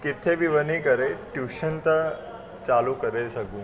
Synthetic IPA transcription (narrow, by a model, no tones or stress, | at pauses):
kit̪ʰebiʋənikəɾeʈjuːʃənt̪ə | t͡ɕalukəɾesɐɡũː